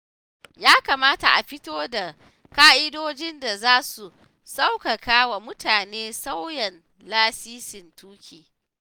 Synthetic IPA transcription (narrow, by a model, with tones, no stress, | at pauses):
jaː˦ka˨maː˦ta˨ʔa˨ɸɪ˦toː˦da˨ | kaː˦ʔɪ˦doː˦d͡ʒɪ˦nda˨zaː˦su˨ | sa˦wka˨kaː˦wa˨mʊ˦tʰaː˨neː˦sa˦wjɛ˨n | laː˦siː˦sɪ˨ntuː˦kʲʰiː˨